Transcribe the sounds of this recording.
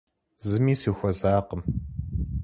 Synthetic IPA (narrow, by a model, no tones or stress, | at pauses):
zɨmiːsiːxʷɔzaːqəm